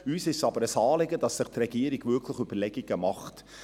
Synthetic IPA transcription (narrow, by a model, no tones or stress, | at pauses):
yːsɪʃsɑbəɾəsɑːlɪɡəd̥ɑsːɪχtrɛɡ̥iːəɾiɡvʏkʰləχybəɾlɛɡiɡəmɑχt